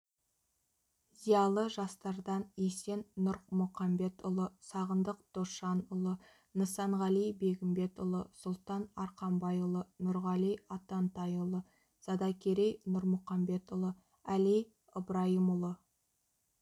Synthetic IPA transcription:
zijɑlˠəʒɑst̪ɑɾd̪ɑnese̞nːʊɾmʊqɑmbe̞t̪ʊlˠəsɑʁənd̪əq̚d̪̥oʃɑnʊlˠə | nəsɑɴʁɑlijbe̞ɡʲɪmbe̞t̪ʊlˠəsʊlˠt̪ɑnɑɾqɑmbɑjʊlˠənʊɾʁɑlijɑt̪ɑnt̪ɑjʊlˠə | sɑd̪ɑkʲʰeɾejnʊɾmʊqɑmbe̞t̪ʊlˠə | ælij | əbɾɑjəmʊlˠə

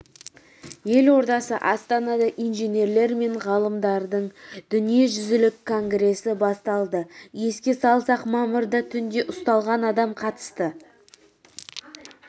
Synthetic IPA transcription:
je̞lwo̞ɾt̪ɑsəʔɑst̪ɑnɑd̪ɑʔijnʒene̞ɾle̞ɾme̞ɴʁɑlˠəmd̪ɑɾd̪əɴd̪̥ʏnije̞ʒʏzɪlɪkʰːo̞ŋɡɾe̞sɪbɑst̪ɑlˠd̪əje̞skʲe̞sɑlˠsɑqmɑməɾd̪ət̪ʰʏnd̪e̞ʔʊst̪ɑlˠʁɑnɑd̪ɑmqʰɑt̪ə̥st̪ə

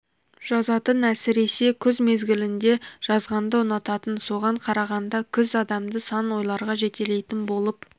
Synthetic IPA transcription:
ʒ̥ɑzɑt̪ənæsɪɾe̞se̞kʲʰʏzme̞zɡʲɪlɪnd̪e̞ʒ̥ɑzʁɑnd̪əənɑt̪ɑt̪ənso̞ʁɑɴqʰɑɾɑʁɑnd̪ɑkʲʰʏzɑd̪ɑmd̪əsɑnwo̞jlˠɑɾʁɑʒe̞t̪e̞le̞jt̪ɪnbo̞lˠəp

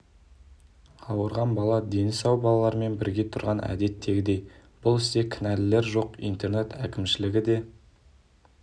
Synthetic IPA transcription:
ɑwəɾʁɑnbɑlˠɑd̪e̞nɪsɑwbɑlˠɑlˠɑɾəme̞nbɪɾɡʲe̞t̪ʰʊɾʁɑnʔæ̰d̪e̞t̪ːe̞ɡʲɪd̪e̞jb̥ʊlˠɪst̪e̞kʲʰɪnælɪle̞ɾʒo̞qḭjnt̪e̞ɾnet̪ʰækʲɪmʃɪlɪɡʲɪd̪e̞

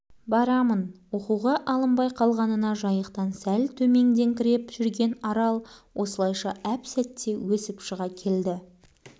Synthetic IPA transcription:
bɑɾɑmənwoquʁɑʔɑlˠəmbɑjqʰɑlˠʁɑnənɑʒɑjəqt̪ɑnsælt̪ʰɵme̞ŋd̪e̞ŋkʲʰɪɾe̞pʒ̥ʏɾɡʲe̞nɑɾɑlˠwʔo̞səlˠɑjʃɑʔæpsæt̪ʰːe̞wɵsɪpʃəʁɑkʲʰe̞ld̪ɪ

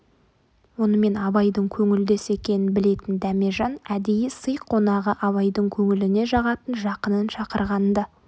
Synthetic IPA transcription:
wo̞nəme̞nɑbɑjd̪əɴkʲʰɵŋɪld̪e̞se̞kʲe̞nɪnbɪle̞t̪ɪnd̪æme̞ʒɑnæd̪e̞jɪsəjqʰːo̞nɑʁəʔɑβɑjd̪əɴkʲʰɵŋɪlɪne̞ʒɑʁɑt̪ənʒɑqənənʃɑqəɾʁɑnd̪ɑ

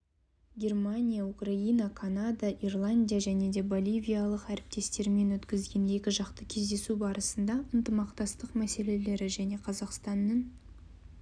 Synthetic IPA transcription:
ɡʲe̞rmanʲijaukrainɑkʰanad̪ɑʔirlˠanʲd̪ʲijaʒæne̞d̪e̞bo̞lʲijvʲijalˠəqæɾɪp̚t̪e̞st̪e̞ɾme̞nwɵt̪kʲɪzɡʲe̞ne̞kʲɪʒɑqt̪əkʲʰe̞zd̪e̞subɑɾəsənd̪ɑənt̪əmɑqt̪ɑst̪əqmæse̞le̞le̞ɾɪʒæne̞qʰɑzɑqst̪ɑnːəɴ

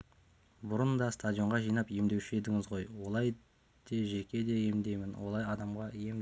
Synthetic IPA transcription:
bʊɾənd̪ɑst̪ad̪ʲjo̞ɴʁɑʒijnɑpje̞md̪e̞wʃe̞d̪ɪŋɪzʁo̞jwolˠɑj | d̪̥e̞ʒekʲe̞d̪e̞je̞md̪e̞jmɪnwʔolˠɑjɑd̪ɑmʁɑje̞m

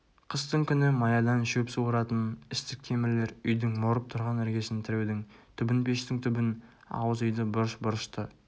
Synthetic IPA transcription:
qʰəst̪əɴkʲʰʏnɪmɑjɑd̪ɑnʃepsuwɾɑt̪ənɪst̪ɪk̚t̪ʰe̞mɪɾle̞ɾʏjd̪ɪŋmoɾəp̚t̪ʰʊɾʁɑnɪɾɡʲe̞sɪnt̪ʰɪɾed̪ɪŋt̪ʰʏbɪnpʰe̞ʃt̪ɪŋt̪ʰʏbɪn | ɑ̰wəzʏjd̪əbʊɾəʃbʊɾəʃt̪ə

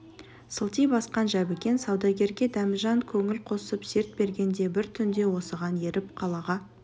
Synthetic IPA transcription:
səlˠt̪ijbɑsqɑnʒæbɪkʲe̞nsɑwd̪ɑɡʲe̞ɾɡʲe̞d̪ɑməʒɑɴkʲʰɵŋɪlqʰo̞səpse̞ɾt̪̚be̞ɾɡʲe̞nd̪e̞bɪɾt̪ʰʏnd̪e̞wo̞səʁɑne̞ɾɪp̚qʰɑlˠɑʁɑ

